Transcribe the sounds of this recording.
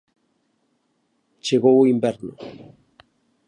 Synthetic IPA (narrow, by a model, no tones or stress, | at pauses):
t͡ʃeɣowimbeɾno̰